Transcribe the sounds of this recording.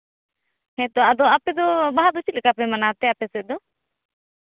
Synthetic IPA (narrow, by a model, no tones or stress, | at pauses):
hɛ̃t̪ɔad̪ɔapɛd̪ɔbaɦad̪ɔt͡ʃit̪̚lɛkapɛmanat̪ɛapɛsɛd̪ɔ